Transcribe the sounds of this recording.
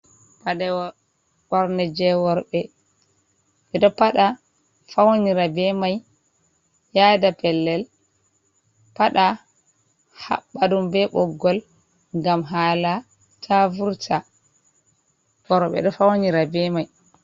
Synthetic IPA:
paɗɛ | wɔɾnɛd͡ʒɛwɔɾɓɛ | ɓɛɗɔpaɗa | fawniɾabɛmaj | jaːdapɛlːɛl | paɗa | ha̰ɓːadumbɛɓɔɡːɔl | ŋɡamɦaːla | tʰavuɾtʰa | wɔɾɓɛ̰ɗɔfawniɾabɛmaj

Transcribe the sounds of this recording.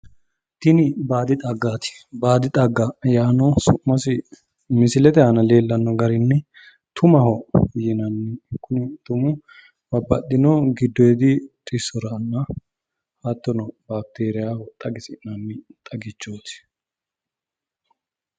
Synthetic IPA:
t̪ɪnɪbaːd̪ɪt̪ʼɐɡːaːt̪ɪ̥ | baːd̪ɪt̪ʼɐɡːɐjaːnɔsʊʔmːɐsɪ | mɪsɪlɛt̪ɛhɐnɐle̞ːlːɐnːɔɡɐɾɪnːɛ | t̪ʰʊmɐhɔjɪnɐnːɪkːʊnɪt̪ʊmʊ | bɐbːɐɗɪnɔɡɪd̪ːɔjɛd̪ɪt̪ʼɪsːɔɾɐnːɐ | hɐt̪ːɔnɔbaːk̚t̪eːɾɪjaːhɔt̪ʼːɐɡɪsɪnɐnːɪt̪ʼɐɡɪt͡ʃːoːt̪ɪ̥

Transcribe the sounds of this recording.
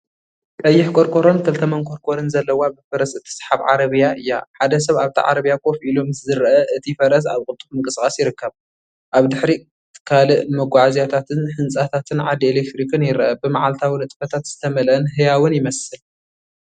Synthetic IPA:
k̪ʼɐjːɪħkʼo̞ɾkʰʼo̞ɾont̪ʰɐlt̪ʰɐmɐnkʰo̞ɾkʰʼo̞ɾɨnzɐlːɐwabɨfɐɾɐsɨt̪ʰːi̥sħaβʕa̰ɾɐβɨjaʔɨjːa̰ħad̪ɐs̬ɐβaβt̪ʰḭʕa̰ɾɐβijakʼo̞filo̞mzɨɾʔɐʔɨt̪ʰifɐɾɐs̬aβkʼʊlt̪ʼuxmɨŋkʼɨskʼasjɪɾɨkːɐβ | ʔaβd̪ɨħɾi | t̪ʰɨ̥kʰalɨʔmɐɡʷaʕazjat̪ʰat̪ʰɨnħɨnt͡sʼat̪ʰat̪ʰɨnʕad̪ielek̚t̪ɾikʰɨnjɪɾʔɐbɨmaʕalt̪ʰawinɨt̪ʼfɐt̪ʰat̪z̥ɨt̪ʰɐmɐlɨnɦɨjawɨnjɪmɐsɨl

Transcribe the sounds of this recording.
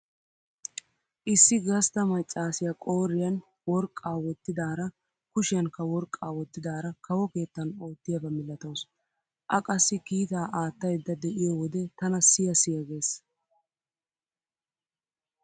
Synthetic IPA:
ʔɪsːɪɡɐst̪ɐmɐt͡ʃʼːaːsɪjɐkʼo̞ːɾːɪjɐn | wɔɾkʼːaːwɔt̪ːɪd̪aːɾɐ | kʊʃɪjɐnkɐwɔɾkʼːaːwɔt̪ːɪd̪aːɾɐkɐwɔke̞ːt̪ːɐno̞ːt̪ːɪjɐbɐmɪlːɐt̪ows | ʔɐkʼɐsːɪkiːt̪aːʔaːt̪ːɐjd̪ːɐd̪ɛʔɪjɔwɔd̪ɛt̪ɐnɐsɪjɐsɪjɐɡe̞ːs

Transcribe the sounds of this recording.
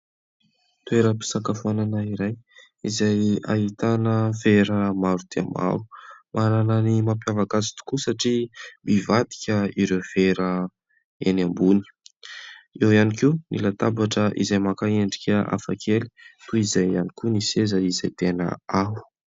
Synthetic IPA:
t̪ueɾəpi̥sakafananaiɾaj | izaja̰ɦit̪anəveɾəmaɾud̪̥eamʔa̰ɾu̥mʔaɾanənimapjavakazi̥t̪u̥kusaʈ͡ʂimivad̪i̥kʲəiɾewveɾə | enambuni̥ | ewianikunḭlat̪abaʈ͡ʂəʔḭzajmakaeɳɖ͡ʐikʲəʔa̰fakʰeli̥t̪uizajanikʲunisezəizajt̪enə̰au̥

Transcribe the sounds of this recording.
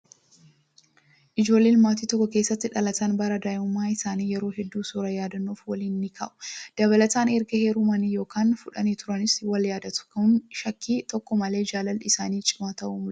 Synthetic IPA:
ʔɪd͡ʒo̞ːlːeːlmaːt̪iːt̪ɔkːɔke̞ːsːɐt̪ːɪᶑɐlɐt̪ɐnbɐɾɐd̪aːʔɪʊmːaːɪsaːniːjɛɾo̞ːɦɛd̪ːuːsuːɾɐjaːd̪ɐnːoːfwɐliːnːɪkʰa̰ːʔʊ̥d̪̥ɐβɐlɐt̪aːnɛɾɡɐheːɾumɐnijo̞ːkaːnfʊᶑɐniːt̪ʊɾɐnɪswɐljaːd̪ɐt̪ʊ̥kɐnʃɐkːiːt̪ɔkːɔmɐle̞ːd͡ʒaːlɐlɪsaːniːt͡ʃʼɪmaːt̪ɐʔumʊ

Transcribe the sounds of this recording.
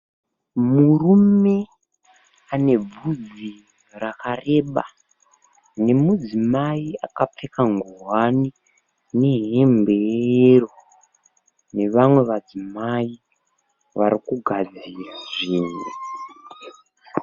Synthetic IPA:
murume̞ | ane̞b͡vud͡zi | rakare̞ɓa̰ | ne̞mud͡zimaiakap͡fe̞kaŋɡuɦwani | ne̞ɦe̞mbe̞jejero | ne̞ʋamwe̞ʋad͡zimai | ʋaɾikuɡʱad͡ziraʐiːnwe

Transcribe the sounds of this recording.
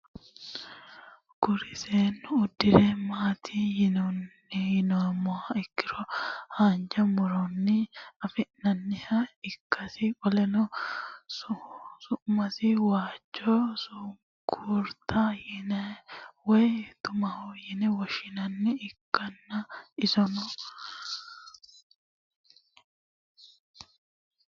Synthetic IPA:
ɡ̥ʊɾɪseːnːʊːd̪ːɪɾemaːt̪ʰiːjɪnonː | ɪjɪnomɔaɪkːɪɾɔhaːnd͡ʒɐmʊɾɔnːɪɐfɪʔnɐnːɪhɐɪkːɐsɪkʼɔlɛnɔssʊʔmɐsɪwaːd͡ʒːɔsʊ | ɡuːɾt̪ʰajɪnɛwɔjt̪ʊmɐhɔjɪnɛwɔʃɪnɐnːɪɪkːɐnːɐɪsɔnɔ

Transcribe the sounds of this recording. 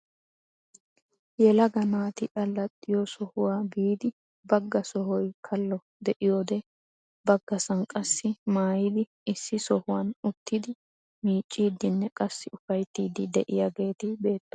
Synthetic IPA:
jɛlɐɡɐnaːt̪ɪᶑɐlːɐt̪ʼːɪjɔsɔhʊwaːbiːd̪ɪ | bɐɡːɐsɔhɔjkʰɐlːɔ | d̪ɛʔɪjoːd̪ɛ | bɐɡːɐsɐŋkʼɐsːɪmaːjɪd̪ɪ | ɪsːɪsɔhʊwɐnʊt̪ːɪd̪ɪ | miːt͡ʃʼːiːd̪ːɪnːɛkʼɐsːɪʊfɐjt̪ːiːd̪ɪd̪ɛʔɪjɐɡe̞ːt̪ɪbe̞ːt̪ːɔ̥

